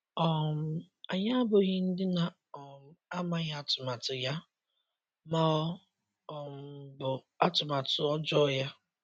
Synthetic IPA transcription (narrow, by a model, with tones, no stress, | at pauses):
ɔ˨m̩˨ | a˨ɲa˦bʊ˨ɣɪ˦n̩˦dɪ˦na˨ | ɔ˨m̩˨a˦ma˦ɣa˦tʊ˨ma˨tʊ˨ja˦ | ma˦ɔ˦ | ɔ˨m̩˨bʊ˨ | a˦tʊ˨ma˨tʊ˨ɔ˦d͡ʒɔ˦ja˦